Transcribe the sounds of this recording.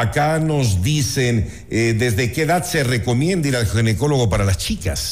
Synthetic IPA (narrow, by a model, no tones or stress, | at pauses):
akano̞zd̪isen | ed̪ezðe̞keːðaðse̞re̞ko̞mje̞nd̪iɾalxineko̞lo̞ɣo̞paɾalast͡ʃika̰s